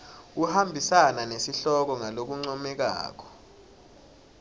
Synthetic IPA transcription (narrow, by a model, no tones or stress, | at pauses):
uhambʱisananesiɬɔk̬ɔŋalok̬uŋ͡ǀɔmɛk̬a̰ːk̬ɔ̥